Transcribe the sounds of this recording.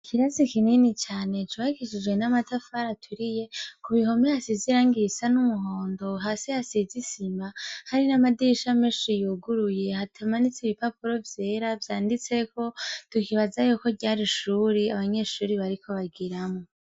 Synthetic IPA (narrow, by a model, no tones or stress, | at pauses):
kʰiɾazikininit͡ʃaːne̞t͡ʃaikiʃid͡ʒwe̞namatafaɾatʰuɾije̞kuβiɦo̞mehasiziɾaŋɡisanumuɦoːndo̞ɦaːseasizisimahaɾinamadiʃameːʃijuːɡuɾuje̞hatʰamanit͡siβipapuɾo̞vje̞ːɾavjaːndit͡se̞ko̞tukiβazajoko̞ɟaːɾiʃuːɾiaβaɲe̞ːʃuːɾiβaɾikʰo̞βaɡiɾamo